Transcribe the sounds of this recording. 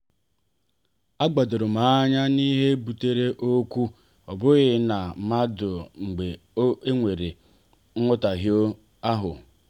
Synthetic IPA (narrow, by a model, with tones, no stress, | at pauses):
a˦ɡ͡ba˨dʊ˨ɾʊ˨ma˨˦ɲa˦ni˦ɦe˦bu˨te˦ɾe˦ʔo˦kʷu˦ | ɔ˨bʊ˦ɣɪ˦na˨ma˦dʊ˨ŋ͡m̩˨ɡ͡be˨˦ | e˦ŋʷe˨ɾe˨ | ŋ̩˦ʊ˦ta˨ɦjo˦ | a˦ɦʊ̰˨